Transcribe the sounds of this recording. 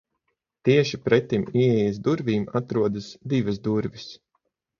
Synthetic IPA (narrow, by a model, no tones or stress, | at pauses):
t̪iɛʃipɾɛt̪imiɛjas̬d̪uɾvʲiːmat̪ɾuɔd̪asd̪ivɐsd̪uɾvʲis